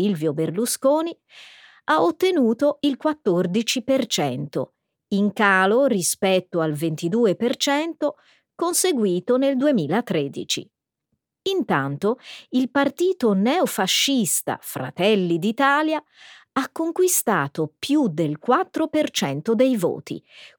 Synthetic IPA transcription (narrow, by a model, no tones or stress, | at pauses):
ilvjoberluskoːni | aot̪ːenuːt̪oilkwat̪ːord̪it͡ʃipert͡ʃɛnt̪o̰ | iŋkaːlorispɛt̪ːoalvent̪id̪uːepert͡ʃɛnt̪o | konseɡwiːt̪oneld̪uemiːlat̪ɾed̪ḭt͡ʃḭ | int̪ant̪oilpart̪iːt̪onɛofaʃːist̪a̰fɾa̰t̪ɛlːid̪it̪aːlja | akːoŋkwist̪aːt̪opjud̪elkwat̪ːɾopert͡ʃɛnt̪od̪ejvo̰ːt̪ḭ